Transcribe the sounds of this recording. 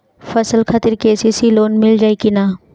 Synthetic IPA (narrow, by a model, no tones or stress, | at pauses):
fɐsəlxʰɐt̪ɪɾkeːsisiloːnmɪld͡ʒaːikinaː